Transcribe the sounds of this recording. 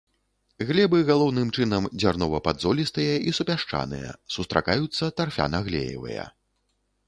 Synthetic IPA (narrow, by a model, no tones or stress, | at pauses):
ɣlʲɛbɨɣalˠɔwnɨmt͡ʂɨnɐmd͡zʲarnɔvɐpad̪zɔlʲist̪ɨjɐʔisupʲaʂt͡ʂa̰nɨ̰jɐ̰sust̪ɾʔa̰kajut̪sːɐt̪arfʲa̰nɐɣlʲḛjɛ̰vɐ̰jɐ̰